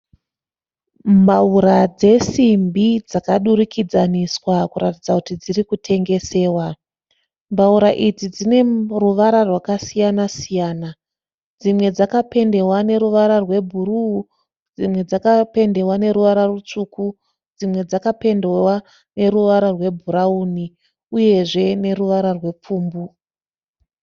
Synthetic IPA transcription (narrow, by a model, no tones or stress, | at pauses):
mauɾad͡ze̞simbid͡zakaɗuɾikid͡zaniswakuɾatid͡zakutid͡zirikutʰe̞ŋɡe̞se̞ːwa | mbauɾaʔid͡zid͡zine̞ruʋaɾarwakasijanasijaːna | d͡zimwe̞d͡zakape̞nde̞wane̞ɾuʋaɾarwe̞bʱuɾuu | d͡zimwe̞d͡zakape̞nde̞wane̞ɾuʋaɾarut͡ʂuːku | d͡zimwe̞d͡zakape̞ndewa | ne̞ɾuʋaɾarwe̞bʱuɾauːni | uje̞ʐe̞ne̞ruʋaɾarwe̞p͡fuːmbu